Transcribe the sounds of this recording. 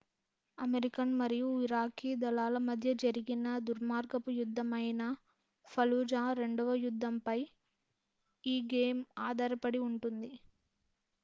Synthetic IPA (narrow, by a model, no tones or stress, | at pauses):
ɐmeɾikɐnmɐɾijuiɾaːkiːd̪ɐlaːlɐmɐd̪ʱjɐd͡ʒɐɾiɡinɐd̪uɾmaːɾɡɐpujud̪ʱːɐmɐjnɐ | pʰɐluːd͡ʒaːɾe̞ɳɖɔʋɐjud̪ʱːɐmpɐj | iːɡeːmaːd̪aːɾɐpɐɽiuɳʈund̪i